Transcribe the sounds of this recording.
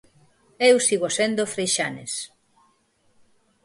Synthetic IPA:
ewsiɣosend̪ofɾejʃanḛs

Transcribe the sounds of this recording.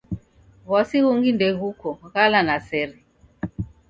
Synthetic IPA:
βɔsiɣuŋɡindɛɣukɔɣalanasɛɾi

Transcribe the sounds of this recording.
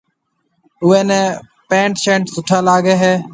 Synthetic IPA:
ʊʋeːnẽː | pẽːɳʈʃẽːɳʈsʊʈʰaːlaːɡeːɦeː

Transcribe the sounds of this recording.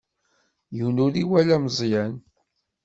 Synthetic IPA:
juwnuɾiwælæmzˤjæn

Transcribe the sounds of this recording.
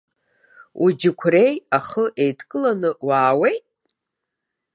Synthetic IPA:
ud͡ʒɪkʷʰre̞jaχəʔe̞jtʰkʼɨlanɨwaːwe̞jtʼ

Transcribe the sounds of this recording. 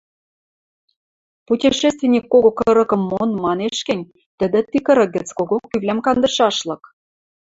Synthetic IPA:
putʲiʃest̪vʲenʲikːoɣokɤɾɤ̆kɤ̆mːonmɑneʃkɘ̆nʲ | t̪ə̆d̪ĕt̪ikɤ̆ɾɤ̆k̚ɡɘ̆t͡skoɣokːyβlʲæmkɑnd̪ɤ̆ʃɑʃlɤ̆k

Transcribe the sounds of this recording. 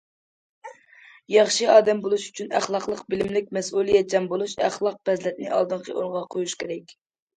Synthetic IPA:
jɑχʃɨɑːd̪ɛmbolˠuʃy̥t͡ʃʰynæ̰χlˠɑqlˠəqbɪlɪmlɪk̚ʲmɛsulˠijɛd͡ʒɛmbolˠuʃæ̰χlˠɑq̚bɛzlɛt̪̚nɪ̰ʔɑ̰lˠd̪ɨɴqʰəʔonʁɑqʰojuʃkʲʰeɾɛkʲ

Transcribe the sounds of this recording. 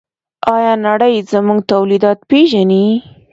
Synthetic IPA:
ɑjɑnaɽəjzəmuŋɡt̪awlid̪ɑt̪peʒani

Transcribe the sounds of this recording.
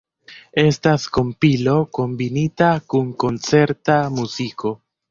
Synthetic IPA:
e̞stasko̞mpilo̞ko̞mbinitakuŋko̞nt͡se̞ɾtamuzikʰo̞

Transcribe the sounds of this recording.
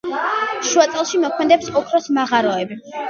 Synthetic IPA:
ʃuat̪sʼɛlˠʃimɔkʰmɛd̪ɛpsɔkʰɾɔsmaʁaɾɔɛbi

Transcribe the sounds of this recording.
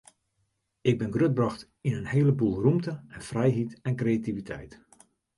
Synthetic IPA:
ɪɡ̚bɪnɡrød̚brɑxt | inənheələbulˠrumtəɛnfrɛjɦitɛnkreːativitʰɛ̰jt

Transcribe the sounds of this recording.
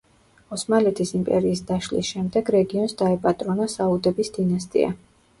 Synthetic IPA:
ɔsmalɛt̪ʰisimpʼɛ̰ɾiːsd̪aʃlḭsʃɛmd̪ɛɡɾɛɡiɔnsd̪aɛpʼat̪ʼɾɔnasaud̪ɛbisd̪inast̪ʼḭa̰

